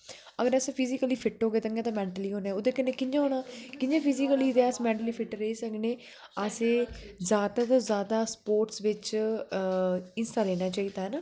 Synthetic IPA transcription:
əɡəɾəspʰizikəliːpʰɪʈɦoːɡeːt̪əŋɡẽːt̪ãːmɛ̃ːɳʈəliːɦoːnɛːod̪eːkənːeːkɪɲd͡ʒãːɦoːɽ̃aːkɪɲd͡ʒãːpʰɪzikəliːd̪eəsmɛ̃ːɳʈəliːpʰɪʈɾəiːsəkneː | əseːzaːd̪aːt̪aːzaːd̪aːspoːɾʈsʋɪt͡ʃ | ɪnsʈaːleːnaːt͡ʃaːiːd̪aːɦɛnaː

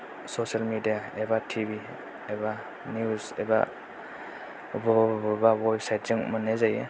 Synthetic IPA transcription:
sosalmidijaebatʰibi | eba | niusḛba̰ | bɔbubawajp̚sajt̚zɯŋmanezaje

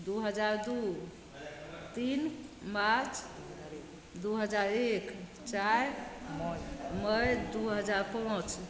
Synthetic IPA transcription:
d̪uɦəd͡ʒaɾd̪u | t̪inmãt͡ʃ | d̪uɦəd͡ʒaɾek | t͡ʃajmməjd̪uɦəd͡ʒaɾpãt͡ʃ

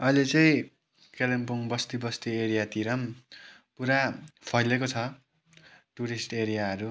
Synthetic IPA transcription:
ʌilet͡sʌĩ | kelempuŋbʌst̪ibʌst̪ieɾijat̪iɾʌm | puɾapʰʌjlekot͡sʰʌ | ʈuɾisʈeɾijaɦʌɾu

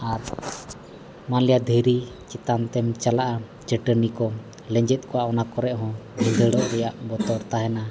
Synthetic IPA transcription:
aɾ | manlɛjad̪ʱəɾi | t͡ʃɛt̪ant̪ɛmt͡ʃalaʔa | d͡ʒəʈənikɔ | lɛɲd͡ʒɛt̪̚kɔwaɔnakɔɾɛʔɦɔ̃nĩɡəɽɔʔɾɛjaʔbɔt̪ɔɾt̪aɦɛna

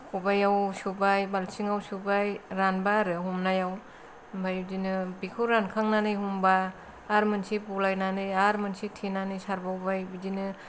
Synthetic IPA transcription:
kʰubajawsubajbalsiŋawsubajɾanbaɾɯɦumnajaw | bʱajdinɯbikʰuɾankʰaŋnanɯjɦumbaː | ɾmɯnsipulajnanɯaɾmɯnsitʰinanɯjsaɾbawbajbidinɯ

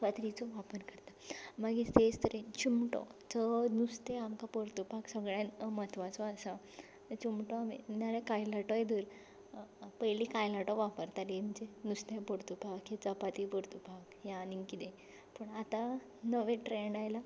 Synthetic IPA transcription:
pət̪ɾit͡sɔʋapənkəɾt̪amaɡist̪est̪əɾet͡ɕumʈɔ̰t͡sənust̪eamkapəɾt̪upaksəɡɭjãnmət̪ʰʋat͡sɔəsa | t͡ɕumʈɔamḭnaɾekajlaʈɔjed̪uːɾ | pəjlikajlaʈɔʋapəɾt̪aɾiməd͡ʑenust̪epəɾt̪upakɦet͡səpat̪ipəɾt̪upakjaniŋkid̪ẽ | puɳat̪ã | nəʋẽʈɾeɳajla

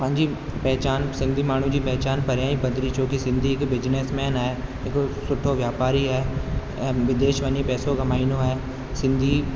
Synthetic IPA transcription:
pɐ̃ɦɪ̃ɲd͡ʑipɛɦt͡ɕaːnsɪ̃nd̪ʱimaːɳ̤ũd͡ʑiːpɛɦt͡ɕaːnpɐɾjaːĩpɐd̪ɾit͡ɕoːkisɪ̃nd̪ʱiɦɪkʋɪd͡ʑneːsmɛːnaːɦe | ɪkosʊʈʰːoʋjaːpaːɾiɦɛ̃ː | ʋɪd̪eːʃʋɐɲepɛːsoɡʱɐmaːinoaeː | sɪ̃nd̪ʱi

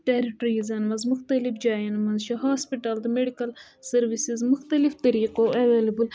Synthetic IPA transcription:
ʈeɾiʈɾizɐnmɐnzmuxt̪ɐlifd͡ʒaːjɐnmɐnzʃɐɦaːspiʈɐld̪əmeɖikɐl | sɐɾʋisizmuxt̪ɐlift̪ɐɾiːqoʔɐʋeːlɐbul

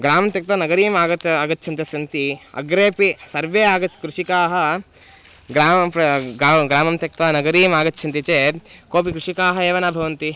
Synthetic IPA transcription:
ɡɾaːmɐmt̪jɐk̚t̪ɐnɐɡɐɾiːmaːɡɐt̪aːɡɐt̪ːʃʰɐnt̪ɐsɐnt̪iɐ̰ɡɾeːpisɐɾʋeːaːɡɐkɾuʃikaːɦɐ | ɡɾaːmɐɾɐaːɡɾaːmɐmt̪jɐk̚t̪ʋɐnɐɡɐɾiːmaːɡɐt̪ːt͡ʃʰɐnt̪it͡ʃeːkoːp̬ikɾuʂikaːɦɐeːʋɐnaːbʱɐʋɐnt̪i

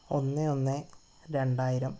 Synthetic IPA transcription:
o̞nːɨo̞nːɨ | ɾe̞ɳɖaːjiɾɐm

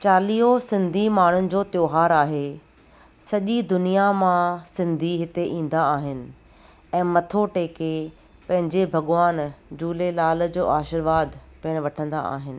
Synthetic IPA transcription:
t͡ɕaːliːosɪ̃nd̪ʱimaːɳ̤ʊnɪ̆d͡ʑoːt̪joːɦaːɾaːɦe | sɐʄid̪ʊnijamãsɪ̃nd̪ʱiɦɪt̪eʔĩːn̆d̪aaːɦɪnɪ̆ | ɛ̃ːmɐt̪ʰoʈeːke | pɐ̃ɦɪ̃ɲd͡ʑebʱɐɠʋaːnd͡ʑuːlelaːlə̆d͡ʑoːʔaːʃɪɾʋaːd̪pɪːɽ̃ʋɐʈʰə̃nd̪a̰a̰ːɦɪnɪ̆

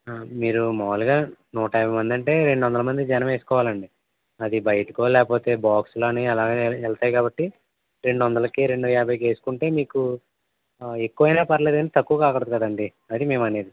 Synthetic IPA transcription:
miːɾumɔːluɡaːnuːʈɐjbʱɐjmɐnd̪iɐɳʈe̞ːɾe̞ɳɖuʋɐnd̪ɐlɐmɐnd̪id͡ʒɛnɐ̃me̞ːsu̥kɔːʋaːlɐɳɖi | ɐd̪ibɐjɐʈɐkoːlɛːkɐpo̞ːt̪e̞ːbaːksloːniɐlaːɡeːɛlɐt̪aːjkaːbɐʈːi | ɾe̞ɳɖuʋɐnd̪ɐlɐkiɾe̞ɳɖujaːbʱɐjke̞ːsu̥kuɳʈe̞ːmiːku | ekːuʋɐjnaːpɐɾle̞ːd̪ɐnit̪ɐkːuʋɐkaːkɐɽt̪ukɐd̪ɐɳɖi | ɐd̪ime̞ːmɐne̞ːd̪i

